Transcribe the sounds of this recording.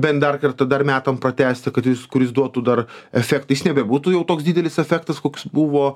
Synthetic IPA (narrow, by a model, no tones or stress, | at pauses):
bʲɛnt̪d̪ɐrkɐrt̪ɐd̪ɐrmʲæːt̪ɐmpɾɐt̪ʲæːsʲt̪ʲɪkɐt̪jɪskʊɾʲɪsd̪uɔt̪uːd̪ɐrɛfʲæːkt̪ɐjɪsnʲɛbʲɛbuːt̪uːjɛʊt̪oːksd̪ʲiːd̪ʲɛlʲɪsɛfʲæːkt̪ɐskoːkʲsbuʋoː